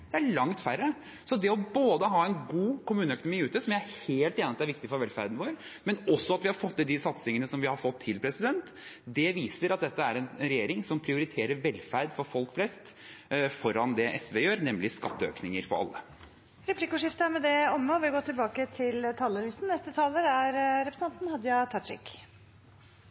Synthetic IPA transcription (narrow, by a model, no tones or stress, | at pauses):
d̪̥ɛæɭɑŋt̪fæɾːə | sɔd̪ɛɔboːd̪əɦɑːɛnɡuːkʰʊmʉːnəœkʊnʊmiːʉːt̪əsɔmjææɾheːlt̪eːnəɑt̪ːæɾʋɪkt̪ɪfɔɾʋɛlfæ̰ɾd̪nʋoːɾ | mɛnɔsːɔɑt̪ʋɪhɑɾfɔt̪ːɪld̪ɪsɑt̪sɪŋənəsɔmʋɪhɑɾfɔt̪ʰːɪlpʰɾɛsɪd̪ɛnt̪ | d̪ɛʋiːsəɾɑt̪̚d̪ɛt̪ːəæɾɛnɾɛjeːɾɪŋsɔmpʰɾɪʊɾɪt̪ʰeːɾəɾʋɛlːfæɾd̪fɔɾfɔlkflɛst̪fɔɾɑnd̪ɛʔɛsʋejøːɾnɛmlɪskɑt̪ːəøːknɪŋəɾfɔ̰ɾɑ̰lːə | ɾɛpʰlikʊʂɪft̪əmɛd̪ɛɔmːəɔʋɪɡoːt̪ʰɪlbɑːkət̪ʰɪlt̪ʰɑːləlɪst̪n̩nɛst̪ət̪ʰɑːləɾæɾɾɛpɾəsɑnt̪nhɑd̪jɑt̪ʰɑʂɪ̰k